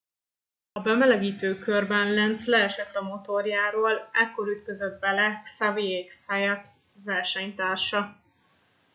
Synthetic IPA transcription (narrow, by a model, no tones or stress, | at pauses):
ɒbɛmɛlɛɡiːt̪øːkørbɛnlɛnt̪slɛːʃɛt̪ːɒmo̞t̪o̞rjaːɾoːlɛkːo̞ɾyt̪køzød̪̚bɛlɛksavieːksajat̪ | vɛrʃɛɲt̪aːrʃɒ